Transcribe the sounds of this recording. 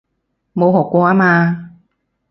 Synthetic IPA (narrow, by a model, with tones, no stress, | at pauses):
mo˧ɦo˨˩kɔ˧aː˧˥maː˧